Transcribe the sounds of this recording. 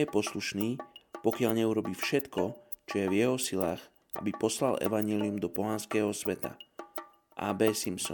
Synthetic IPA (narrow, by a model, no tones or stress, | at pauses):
ɛpɔsluʃniːpɔkɪaʎɲɛuɾɔbiːfʃɛt̪kɔ | t͡ʃɔjɛvjɛɦɔsilaːx | ʔa̰bipɔslalɛ̰ʋaɲɪɛliumd̪ɔpɔɦanskɛːɦɔsʋɛt̪a̰ | ʔa̰ːbɛːsimsɔ̰